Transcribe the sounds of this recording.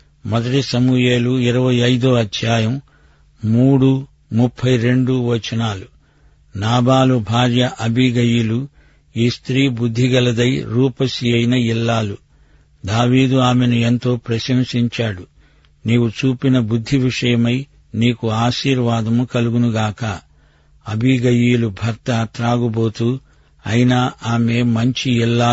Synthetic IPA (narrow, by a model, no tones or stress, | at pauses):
mɔd̪ɐʈisɐmuje̞ːluiɾɐʋɐjɐjd̪oːɐd̪ʰjaːjɐm | muːɽu | mupʰːɐjɾe̞ɳɖuʋɐt͡ʃɐnaːlu | naːbaːlubʱaːɾjɐʔɐbʱiɡɐjulu | iːst̪ɾiːbud̪ʱːiɡɐlɐd̪ɐjɾuːpɐsiɐjnɐilːaːlu | d̪aːʋiːd̪uaːmenuent̪o̞ːpɾɐʃɐmsiɲt͡ʃaːɽu | niːwut͡ʃuːpinɐbud̪ʱːiʋiʂɐjɐmɐj | niːkuaːʃiːɾʋaːd̪ɐmukɐluɡunuɡaːkɐ | ɐbʱiɡɐjiːlubʱɐɾt̪ɐt̪ɾaːɡubo̞ːt̪uː | ɐjinɐʔaːme̞ːmɐɲt͡ʃiilːaː